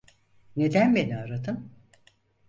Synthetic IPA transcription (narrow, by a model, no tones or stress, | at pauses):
ne̞d̪ænbe̞niaːɾat̪ʰɯn